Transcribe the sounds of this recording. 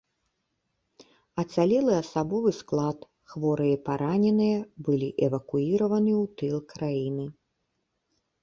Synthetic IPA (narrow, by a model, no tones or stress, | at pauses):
ɐt̪salʲɛlˠɨɐsabɔvɨsklˠat̪ | xvɔɾɨjɛpaɾʔanʲɛnɨjɐbɨlʲiʔɛvɐkuiɾɐvɐnɨwt̪ɨlˠkɾajinɨ